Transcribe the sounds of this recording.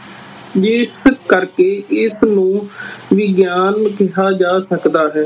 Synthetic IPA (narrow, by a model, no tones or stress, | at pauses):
d͡ʒɪskəɾkeːʔɪsnũːʋɪɡjaːnkɪɦaːd͡ʒaːsəkd̪aːɦɛː